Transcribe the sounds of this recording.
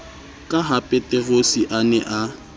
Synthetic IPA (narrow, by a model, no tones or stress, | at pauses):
kʼaɦapʼɛtʼɛrosiʔanɛʔa